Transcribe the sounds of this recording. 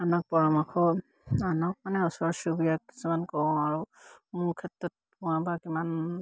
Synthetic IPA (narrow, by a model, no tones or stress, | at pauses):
anɔk̚pɔɹɔmaxʰɔ | anɔk̚manɛɔsɔɔsubijak̚ki̥sumankɔɔ̃aɹu | mʊɹkʰɛtɹɔt̚ | pʊ̃wabakiman